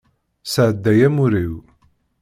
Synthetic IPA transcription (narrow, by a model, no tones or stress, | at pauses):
səʕəd̪ːæjæmuɾiw